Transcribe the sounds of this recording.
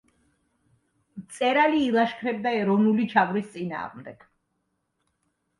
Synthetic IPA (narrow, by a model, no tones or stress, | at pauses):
t̪sʼɛɾaliːlˠaʃkʰɾɛb̚d̪aɛɾɔvnulit͡ʃʰavɾist̪sʼina̰ːʁmd̪ɛɡ̥